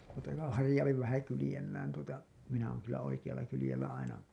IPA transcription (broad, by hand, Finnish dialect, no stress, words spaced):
mutːɑ ko hɑrĭjɑupi ʋæhæ kylĭjelːæːn tuotɑ minæ oˑŋ kylːæ oikij̆ɑlːɑ kylĭjelːæ ɑinɑ